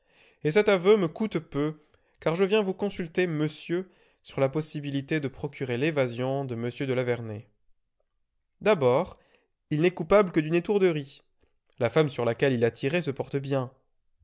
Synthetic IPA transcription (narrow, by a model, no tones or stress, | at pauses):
es̬ɛt̪avøməkut̪pø | kaʁʒəvjɛ̃vukɔ̃sylt̪eməsjø | syʁlapɔsibilit̪ed̪əpχɔkʲyʁelevazjɔ̃d̪əməsjød̪əlavɛʁne | d̪abɔʁ | ilnɛkupabləkəd̪ynet̪uʁd̪əʁi | lafamsyʁlakʲɛlilat̪ʰiʁesəpɔʁt̪əbjɛ̃